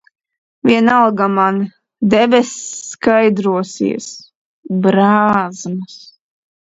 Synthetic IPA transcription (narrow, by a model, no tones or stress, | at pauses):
vʲiɛnalɡaman | d̪ɛbʲɛsːkajd̪ɾuɔsḭɛs | bɾaːzmɨs